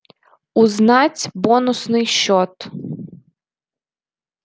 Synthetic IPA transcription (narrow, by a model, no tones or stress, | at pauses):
uznɑt͡sʲbɔnʊsnɪjʃɔt̪